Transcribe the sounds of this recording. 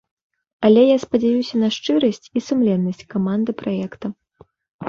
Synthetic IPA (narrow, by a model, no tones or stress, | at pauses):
ɐlʲɛjaspɐd͡zʲajusʲɐnɐʂt͡ʂɨɾɐsʲt͡sʲisumlʲɛnːɐsʲt͡sʲkamand̪ɨpɾajɛkt̪ɐ